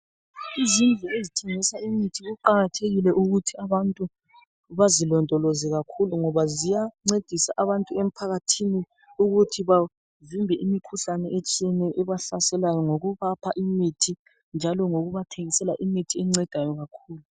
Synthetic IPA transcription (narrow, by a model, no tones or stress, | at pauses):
izind͡ɮʱɛezitʰeŋisaimitʰiɣuǃaɣatʰeɣilɛʔuɣutʰiaβantʼu | βazilɔndʱɔlɔzɛɣakʰuluŋɔβazijaŋ͡ǀed̥ʱisaʔaβantʼuem̩pʰaɣatʰini | uɣutʰiβa | vimbʱɛʔimikʰuɬanɛʔet͡ʃʼiɛnɛʔɛβaɬasɛlajɔŋoɣuβapʰaʔimitʰi | nd͡ʒʱalɔŋoɣuβatʰeŋisɛlaʔimitʰiɛŋ͡ǀɛd̥ʱajɔɣakʰuːlu